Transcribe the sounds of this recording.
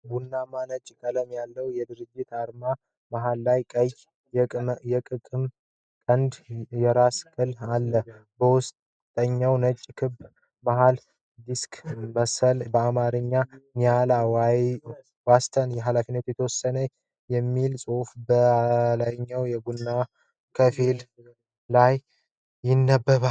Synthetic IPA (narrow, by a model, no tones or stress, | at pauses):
ɡunːamanət͡ʃʼːkʼələmjalːəwjɛd̪ɨɾɨd͡ʒːɪt̪aɾma | maɦalːajkʼəjʼ | jɛkʼɨkʼɨm | kʼənd̪jɛɾaskʼɨlalːəbəwʊst̪ | t̪ʼəɲːawnət͡ʃʼːkʰɨb | maɦal | d̪iskʼməsəlbəamaɾɨɲːaɲalaw | wast̪ʰənjɛɦalafinːət̪jɛt̪ʰəwɔsːənə | jɛmːilsʼofbəlaɲːawjɛɡunːa | kʰəfil | laj | jɪnːəbːəβa